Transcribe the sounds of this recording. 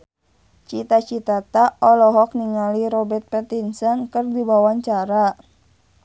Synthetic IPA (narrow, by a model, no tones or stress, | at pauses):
t͡ʃit̪at͡ʃit̪at̪aɔlɔɦɔk̚niŋaliɾɔbɛrt̪̚pɛt̪insɔnkɨrdibawaɲt͡ʃaɾa